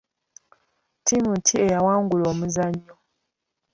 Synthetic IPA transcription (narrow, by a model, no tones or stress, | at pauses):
timutʰie̞jawaːŋɡulo̞ːmuzaɲːo